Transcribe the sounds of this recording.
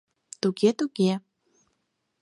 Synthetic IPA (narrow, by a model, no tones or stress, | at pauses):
t̪uɡet̪uɡe